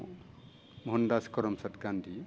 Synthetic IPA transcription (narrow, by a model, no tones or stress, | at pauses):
mɦɔndaskɔɾɔmsatkandi